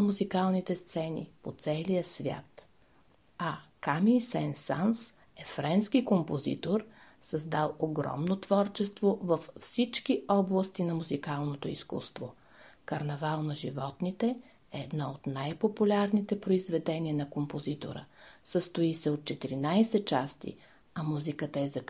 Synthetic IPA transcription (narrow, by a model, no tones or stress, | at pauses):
muzikalˠnit̪ɛst̪sɛnḭpot̪sɛlijəsvʲja̰t̪ | ɐkamisɛnsans | ɛfɾɛnskikompozḭt̪oɾ | sɐzd̪alˠoɡɾɔ̰mnot̪vɔɾt͡ʃɛst̪vovəffsit͡ʃkiɔblˠəst̪inɐmuzikalˠnot̪oiskṵst̪vo | kɐɾnɛvalˠnɐʒivɔt̪nit̪ɛ | ɛːd̪nɔot̪najpopulʲaɾnit̪ɛpɾoizvɛd̪ɛniənɐkompozit̪o̰ɾə̰səst̪oisɛot̪̚t͡ʃɛt̪iɾinajsɛt̪̚t͡ʃast̪ḭ | ɐmuzikət̪əɛzɐk